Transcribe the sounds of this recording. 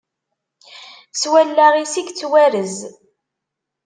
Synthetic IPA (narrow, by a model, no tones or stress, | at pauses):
swælːæʁisiɡt͡sːwæɾəz